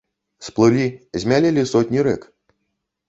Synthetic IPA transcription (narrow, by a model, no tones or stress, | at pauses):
splˠɨlʲizʲmʲalʲɛlʲisɔtʲnʲiɾɛk